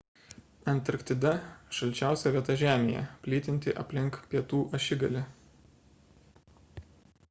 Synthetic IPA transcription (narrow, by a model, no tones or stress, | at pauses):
ɐnʲt̪ʲɾkt̪ʲɪd̪ɐʃɐlʲt͡ʃʲæˑʊsʲɛʋʲiɛt̪ɐʒʲæːmʲḛːjɛ̰pʲlʲiːt̪ʲɪnʲt̪ʲɪʔɐpʲlʲɪŋkpʲiɛt̪uːʔɐʃʲɪɡɐlʲɪ